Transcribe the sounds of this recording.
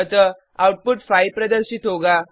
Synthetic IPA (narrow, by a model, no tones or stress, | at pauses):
t͡sə | awʈ̚puʈfajpɾəd̪əɾɕiːt̪oɡa